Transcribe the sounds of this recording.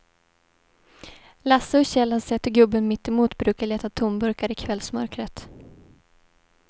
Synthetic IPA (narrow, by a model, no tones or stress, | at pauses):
lasːəɔɕɛlːhasɛt̪ːɔɡɵbːənmɪt̪ːɪmuːt̪bɾʉ̟ːkaɭeːt̪at̪ʰʊmbɵɾkaɾɪkʰvɛlsmœ̰ɾkɾət̪